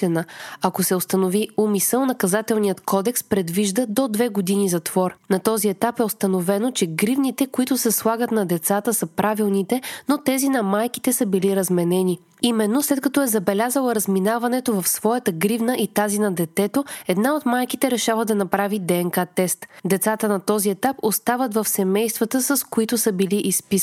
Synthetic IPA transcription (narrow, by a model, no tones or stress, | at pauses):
ɛnəɐkosɛost̪ɐnoviumisəlˠnɐkɐzat̪ɛlˠnijət̪kɔd̪ɛkspɾɛd̪viʒd̪əd̪od̪vɛɡod̪inizɐt̪v̥ɔɾnɐt̪ɔziɛt̪apɛost̪ɐnovɛnot͡ʃɛɡɾivnit̪ɛkoit̪ʊsɛslˠaɡət̪nɐd̪ɛt̪sat̪əsəpɾʔavilˠnit̪ɛnot̪ɛzinɐmajki̥t̪ɛsəbiliɾɐzmɛnɛni | imɛnːoslɛt̪̚kɐt̪ɔɛzɐbɛlʲazəlˠəɾəzminavɐnɛt̪ovɐfsvɔjɛt̪əɡɾivnəʔit̪azinɐd̪ɛt̪ɛt̪oɛd̪naot̪majkit̪ɛɾɛʃavəd̪ɐnɐpɾavid̪ɛɛŋkat̪ɛst̪d̪ɛt̪sat̪ənɐt̪ɔziɛt̪apost̪avət̪vɐfsɛmɛjst̪vɐt̪əsəskoit̪ʊsəbiliʔispis